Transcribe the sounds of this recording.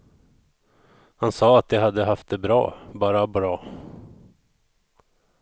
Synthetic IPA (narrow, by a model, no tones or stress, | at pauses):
hansɑːat̪̚d̪ɛɦad̪ːəɦaft̪̚d̪ɛbɾɑ̰ːbɑːɾabɾɑː